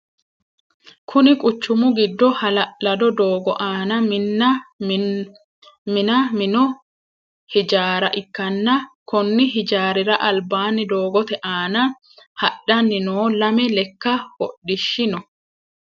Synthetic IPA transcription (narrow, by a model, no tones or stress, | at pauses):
kʰʊnɪkʼʊt͡ʃːʊmʊɡɪd̪ːɔhɐlɐlɐd̪ɔd̪oːɡɔʔaːnɐmnɐ | mɪnɐmɪnɔ | hɪd͡ʒaːɾɐʔɪkːɐnːɐkɔnːɪɦɪd͡ʒaːɾɪɾɐʔɐlbaːnɪd̪oːɡɔt̪ɛʔaːnɐ | hɐɗːɐnːɪnoːlɐmɛlɛkːɐhɔ̰ɗːɪʃːɪnɔ